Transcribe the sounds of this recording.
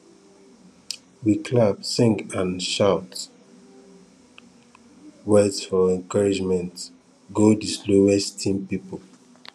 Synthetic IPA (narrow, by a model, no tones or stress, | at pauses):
wikʰlapsɪ̃ŋãnʃaʊt | wɛdfɔɛ̃nkaɹid͡ʒmɛ̃nt | ɡodisloɛstʰĩnpipol